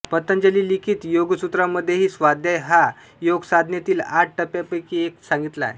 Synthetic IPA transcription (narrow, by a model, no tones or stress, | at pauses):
pət̪ənd͡ʑəliːlikʰiːt̪joɡsut̪ɾaməd̪ʱːjeɦiːsʋad̪ʱjajɦa | joɡsad̪ʱnet̪iːlaʈ̚ʈəpjapəkiːeksaŋɡit̪la̰j